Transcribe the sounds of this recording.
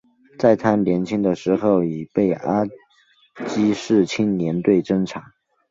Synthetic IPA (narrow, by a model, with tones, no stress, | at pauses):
t͡sa˥˩ɪt̪ʰa˥nljɛ˧˥nt͡ɕʰi˥ŋd̪ə˨ʂɻ̩˧˥xo˥˩ʊi˨˩pe˥˩ɪʔa˥ | t͡ɕi˥ʂɻ̩˥˩t͡ɕʰi˥nnjɛ˧˥nt̪we˥˩ɪʈ͡ʂə˥˩ŋʈ͡ʂʰa˧˥